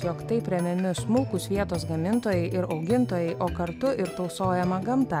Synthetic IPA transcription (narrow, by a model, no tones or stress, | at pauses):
joːkt̪ɐɪpʲɾʲɛmʲɛmʲɪsmʊlˠkuːsʲʋʲiɛt̪oːsɡɐmʲɪnt̪oːjɛɪʔɪɾɒʊɡʲɪnt̪oːjɛɪʔoːkɐɾt̪ʊɪɾt̪ɒʊsoːjɛmɐɡɐmt̪ɐ